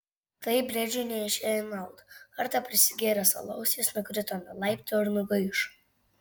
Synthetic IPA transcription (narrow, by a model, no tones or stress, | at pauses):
t̪ɐɪbʲɾʲɛd͡ʒʲʊnʲɛɪʃʲeːɪnɐlˠt̪ɐɾt̪ɐpʲɾʲɪsʲɪɡʲeːɾʲɛsɐ̰lˠɐʊsʲeːsnʊkɾʲɪt̪ɔnɐlˠɐɪpʲt̪oɪɾnʊɡɐɪʃ